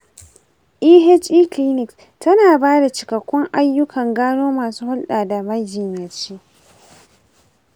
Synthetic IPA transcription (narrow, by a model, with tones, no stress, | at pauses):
ʔiː˦ɦɛ˦t͡ʃi˦kliː˦nɪ˨ks | tɐ˦naː˨baː˦da˨t͡ʃɪ˨kɐ˨kʷːɔ˦ŋʔa˦jːʊ˦kʰɐ˨ŋɡaː˦noː˦maː˨suː˦hʊ˦lɗaː˨da˨mɐ˦d͡ʒɪ˨ɲjɐ˨t͡ʃeː˦